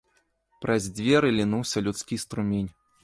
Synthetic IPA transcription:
pɾʔɐzʲd͡zʲvʲeɾɨlʲinuwsʲɐlʲut̪skʲist̪ɾumʲenʲ

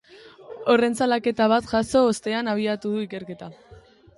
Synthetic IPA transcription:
o̞re̞nt͡salake̞t̪aβ̞at̪ʝaso̞ːst̪e̞anaβ̞iat̪uðuike̞ɾke̞t̪a

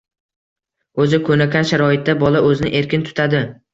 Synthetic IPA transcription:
ɵzɪkʰɵnakʲʰanʃaɾɒɪt̪̚d̪abɒlaɵzɪnɪ̰ʔe̞ɾkʲɪnt̪ʰʊ̥t̪ʰad̪ɪ

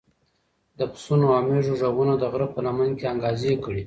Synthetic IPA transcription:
d̪əpsunoameʐoʐaɣunad̪əɣɾapənamankeaŋɡɑziekəɽi

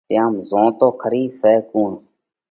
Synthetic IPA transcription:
t̪ɪjaːmzõːt̪oːkʰəɾiːsɛːkuːɳ

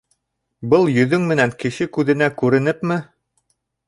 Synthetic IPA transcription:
bɤlˠjɵ̆ðɵŋmɘ̆næŋkɘ̆ʃɘkʉðɘ̆nækʉɾɘ̆nɘpmɘ

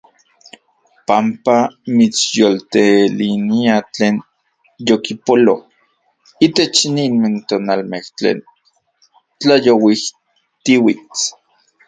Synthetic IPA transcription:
pampamit͡sjolt̪eliniat͡ɬeːn | jokipolo̰ | it̪et͡ʃninment̪oːnalmeht͡ɬḛːn | t͡ɬajowih | t̪iwit͡s

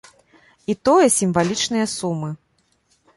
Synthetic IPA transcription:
it̪ɔjɐsʲimvalʲit͡ʂnɨjɐsumɨ

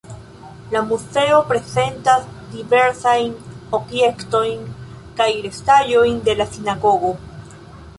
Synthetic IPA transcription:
lamuse̞o̞pɾe̞se̞nt̪azd̪ive̞ɾsajnobje̞kt̪o̞jn | kajɾest̪aʎojnd̪e̞lasinaɣo̞ɣo

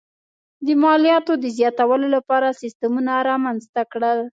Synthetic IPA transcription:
d̪əmɑlijɑt̪od̪əzjɑt̪awəlolapɑɾasɪst̪əmunaɾɑmanzt̪akɽəl

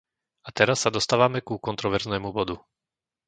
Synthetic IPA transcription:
at̪ɛɾasːad̪ɔst̪aːʋamɛkukɔnt̪ɾɔʋɛɾznɛːmubɔd̪u

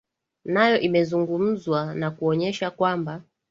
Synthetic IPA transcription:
najɔʔimɛzuŋɡum̩zwanakuɔɲɛʃakwamba

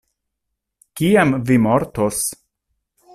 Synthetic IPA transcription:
kiamvimoɾt̪os

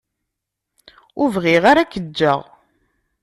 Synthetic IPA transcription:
ʊvʁɪʁaɾakːəd͡ʒːə̰ʁ

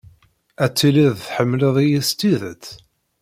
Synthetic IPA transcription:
æt͡sːiliðθħəmːləðˤijist̪iðət͡sː

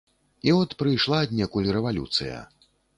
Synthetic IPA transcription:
iɔt̪pɾɨjʂlˠad̪ʲnʲɛkulʲiɾɛvalʲṵt̪sɨjɐ̰

